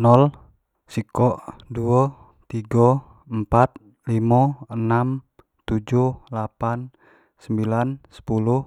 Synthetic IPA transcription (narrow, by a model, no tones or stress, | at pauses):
nɔl | sikɔʔduɔ | t̪iɡɔ | əmpat̪̚ | limɔənam | t̪ud͡ʒʊhlapan | səmbilansə̥pulʊh